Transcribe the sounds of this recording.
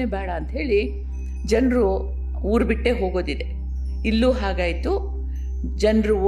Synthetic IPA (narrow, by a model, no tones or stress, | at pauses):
ebɛːɽɐːnt̪ɐɦe̞ːɭi | d͡ʒɐnɾuː | ɾbiʈːe̞ɦo̞ːɡoːd̪id̪e̞ | ilːuːɦaːɡaːjt̪u | d͡ʒɐnɾu